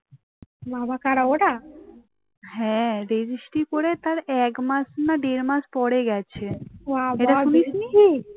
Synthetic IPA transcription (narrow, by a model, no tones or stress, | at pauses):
babakaɽaoʈa | ɦɛ̃ɾed͡ʑisʈikoɾet̪aɾɛkmasnaɖeɾmaspɔɽeɡɛt͡ɕʰeʋaeʈaunisniɦi